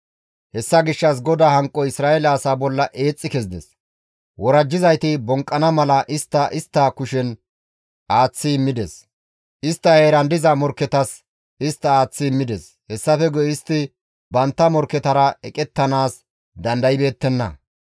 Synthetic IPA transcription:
hɛsːɐɡɪʃːɐs̬ɡɔd̪aːhɐŋkʼːɔɪsɾaːʔɛlɐːsaːbɔlːɐʔe̞ːt͡sʼːɪkɛzd̪ɛ̰s | wɔɾɐd͡ʒːɪzɐjt̪ɪbɔŋkʼːɐnɐmɐlɐʔɪst̪ːɐʔɪst̪ːɐkʊʃɛn | ʔaːt͡sːɪɪmːɪd̪ɛs | ʔɪst̪ːɐheːɾɐnd̪ɪzɐmɔɾkːɛt̪ɐs | ɪst̪ːɐaːt͡sːɪɪmːɪd̪ɛs | hɛsːɐfɛɡɔjɪst̪ːɪ | bɐnt̪ːɐmɔɾkːɛt̪ɐɾɐɛkʼɛt̪ːɐnaːs | d̪ɐnd̪ɐjɪbe̞ːt̪ːɛnːɐ̰

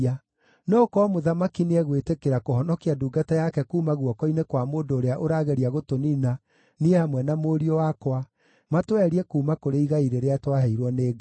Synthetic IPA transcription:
a | nɔːkɔmoðamakinɛɣwetekeɾakohɔnɔkiaduːɡatajakɛkuːmaɣwɔkɔinekwamoːndoːɾeaʔoɾaɣeɾiaɣotonina | niehamwɛnamoːɾiɔwakwa | matwɛɾiɛkuːmakoɾeiɣaiɾeɾeatwaɦɛiɾwɔneːɡa

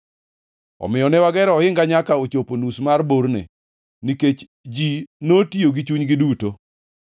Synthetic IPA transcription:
ɔ̰mɪjɔnɛwaɡɛɾɔhɪŋɡaɲakaot͡ʃoponusmarboɾnḛ | niket͡ʃ | d͡ʒinotioɡit͡ʃuɲɡɪduto

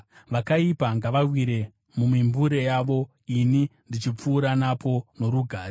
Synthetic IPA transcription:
ʋakaipaŋɡaʋawiɾe̞ | mumimbuɾe̞jaʋo̞ | inindit͡ʃip͡fuːɾanapʰo̞no̞ɾuɡʱaːɾe

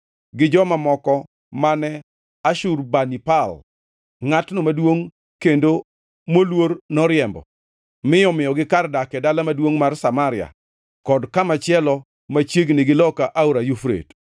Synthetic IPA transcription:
ɡɪd͡ʒɔmamɔkɔ | manɛ | aʃurbanipal | ŋatnomadwoŋ | kendo | molwoɾnɔɾɪjɛmbɔ̰ | mɪɔmɪjɔɡɪkardakɛdalamadwoŋmarsamaɾɪja̰ | kɔdkamat͡ʃɪɛlɔ | mat͡ʃjeɡnɪɡɪlɔkaʔauɾajufɾḛt

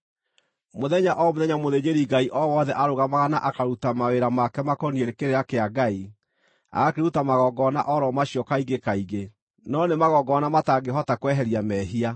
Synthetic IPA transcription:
moðɛɲaʔɔmoðɛɲamoðeɲeɾiɡaiʔɔwɔðɛʔaɾoɣamaɣanaʔakaɾutamaweɾamakɛmakɔnieɾekeɾeɾakeaɡai | a̰akeɾutamaɣɔɡɔna̰ʔɔɾɔmaɕiɔkaiɡekaiɡe | nɔnemaɣɔɡɔnamataɡeɦɔtakwɛɦɛɾjamɛɦia

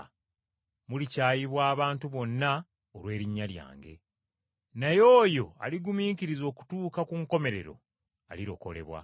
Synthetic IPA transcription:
mulicaːjiβwaːβaːntuβo̞nːa | olwe̞ːɾiɲːalja̰ːŋɡe̞̰ | najo̞ːjo̞a̰liɡumiːkiɾizo̞ːku̥tuːkakuŋko̞me̞ɾe̞ɾo̞̰ | a̰liɾo̞̰ko̞̰le̞̰βwa̰

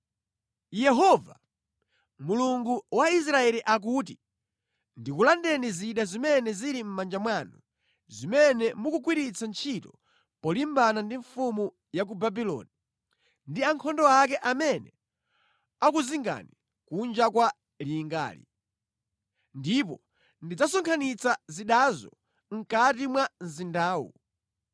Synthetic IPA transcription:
jɛɦɔva | muluŋɡuwais̬ɾaɛliʔak̬ut̬i | ndikulandɛniziɗazimɛnɛziɾim̩mand͡ʒamwanu | zimɛnɛmukuk̬wiɾit͡sʰant͡ʃʰitɔ | pɔlimbanandiɱfumu | jak̬ubabilɔ̰ni | ndiaŋkʰɔndɔakɛʔamɛnɛ | akuziŋɡa̰ni | kund͡ʒakwa | liːŋɡa̰ːlḭ | ndip̬ɔ̰ | ndid͡zasɔŋkʰanit͡saziɗazɔ | ŋ̩katimwanzindaːwṵ

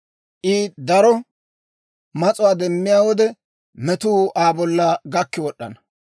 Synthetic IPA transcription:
ʔɪd̪ɐɾɔ | mɐt͡sʼʊwaːd̪ɛmːɪjaːwɔd̪ɛ | mɛt̪uːʔaːbɔlːɐɡɐkːɪwɔɗːɐ̰nɐ

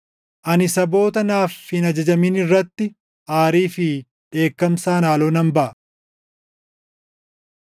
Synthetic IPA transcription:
ʔɐnɪsɐbo̞ːt̪ɐnaːfhɪnɐd͡ʒɐd͡ʒɐmɪnɪrːɐt̪ːɪ | ʔaːɾiːfɪ | ᶑe̞ːkːɐmsaːnaːloːnɐmbɐʔɐ

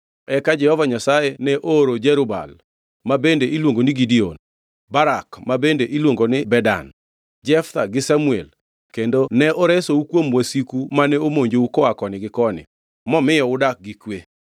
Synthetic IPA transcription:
ɛkad͡ʒɛhɔvaɲasajenɛʔoɾod͡ʒɛɾʊba̰l | mabendeʔilwoŋɡonɪɡidion | baɾakmabendeʔilwoŋɡonɪbɛda̰n | d͡ʒɛft̪aɡɪsamuɛl | kendonɛʔoɾɛsoukwomwasikumanɛomoɲd͡ʒoukɔakɔnɪɡɪkɔnɪ̰ | mɔmɪjɔʊdak̚ɡikwe

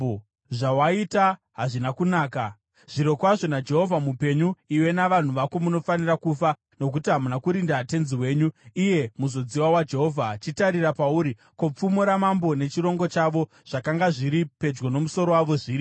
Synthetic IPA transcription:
ʐawaita | ɦaʐinakunaːka | ʐ̥iɾo̞kwaʐo̞nad͡ʒe̞ɦo̞vʱamupe̞ɲuiwe̞naʋan̤uʋako̞muno̞fanirakufa | no̞k̬utiɦamunakuɾindate̞nziwe̞ːɲuije̞muzo̞d͡ziwawad͡ʒe̞ɦo̞vʱat͡ʃitaɾirapauɾi | ko̞p͡fumuɾamambo̞ne̞t͡ʃiɾo̞ŋɡo̞t͡ʃaʋo̞ | ʐ̥akaŋɡaʐiɾipe̞d͡ʒɡono̞muso̞ɾo̞waʋo̞ʐiːɾi

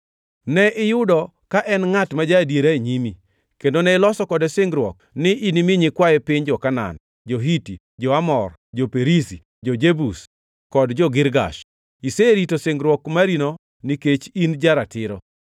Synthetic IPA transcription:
nɛʔɪjʊdɔ | kaʔɛnŋatmad͡ʒadjeɾaeɲimi | kendonɛɪlɔsɔkɔdesɪŋɡɾwɔk̚ | nɪʔinimɪɲɪkwajɛpɪɲd͡ʒɔkana̰n | d͡ʒoɦiti | d͡ʒɔamɔr | d͡ʒopeɾisi | d͡ʒod͡ʒebus | kɔdd͡ʒɔɡɪɾɡa̰ʃ | iseɾitosɪŋɡɾwɔkmaɾino | niket͡ʃind͡ʒaɾatɪɾɔ̰

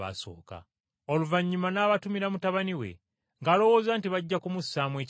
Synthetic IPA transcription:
a̰so̞̰ːka̰ | oluvaɲːumanaːβatumiɾamutaβaniwe̞̰ | ŋɡaːlo̞wo̞ːzaːntiβaɟːakumusːaːmwe̞ːc

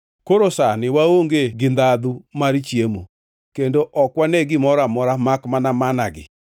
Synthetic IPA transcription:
koɾosanɪwaoŋɡeɡɪnd̪ad̪umaɾt͡ʃjemu | kendoʔɔkwanɛɡɪmɔɾamɔɾamakmanamanaɡɪ̰

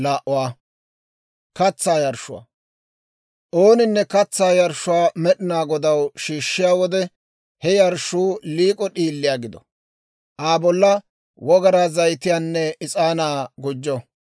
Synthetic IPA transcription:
laːʔʊwaː | kɐt͡sːaːjɐɾʃʊwa̰ː | ʔoːnɪnːɛkɐt͡sːaːjɐɾʃʊwaːmɛɗɪnaːɡɔd̪ɐwʃiːʃːɪjaːwɔd̪ɛ | hɛjɐɾʃuːliːkʼɔɗiːlːɪjaːɡɪd̪ɔ | ʔaːbɔlːɐ | wɔɡɐɾaːzɐjt̪ɪjaːnːɛɪt͡sʼaːnaːɡʊd͡ʒːɔ

